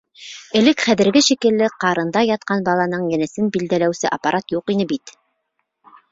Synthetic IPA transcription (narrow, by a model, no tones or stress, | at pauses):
ɘ̆lɘkχæðɘ̆ɾɡɘʃikɘ̆lːɘqɑɾɤ̆nd̪ɑjɑt̪̚qɑnbɑlˠɑnɤɴjɘ̆nɘ̆sɘnbild̪ælæwsɘʔapːaɾʔat̪juqinɘbit̪